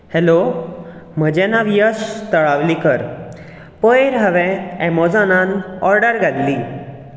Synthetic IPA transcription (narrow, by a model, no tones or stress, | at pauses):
helo | m̤əd͡ʑɛ̃naʋijəst̪əɭaʋlikəɾ | pəjɾɦəʋɛ̃ɛmɔd͡zananɔɾɖəɾɡʱad̪li